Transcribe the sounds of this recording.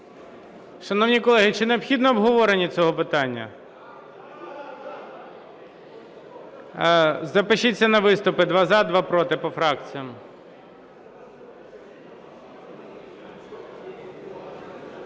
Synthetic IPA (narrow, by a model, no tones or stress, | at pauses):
ʃɐnɔwnʲikɔlˠɛɦɪt͡ʃɪneɔpxʲid̪nɔːbɦɔʋɔɾenʲit͡sʲɔɦɔpɪt̪ɑnʲːɐ̰ | zɐpɪʃit͡sʲːɐnɐʋɪst̪ʊpɪd̪ʋɑzɑd̪ʋɑpɾɔt̪ɪpɔfɾɑk̚t͡sʲijɐm